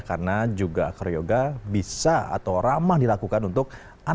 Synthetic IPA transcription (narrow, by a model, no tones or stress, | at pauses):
kaɾənad͡ʒuɡaakəɾjoɡabisaa̰t̪awramahdilakukanunt̪ʊk̚ | a